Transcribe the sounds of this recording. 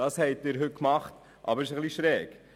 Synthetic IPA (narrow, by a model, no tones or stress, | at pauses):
ɑshɛɪtːɪːɾɦɵt̚kmɑχt | ʔɑ̰bəɾɪʃəχliʃɾɛːɡ̥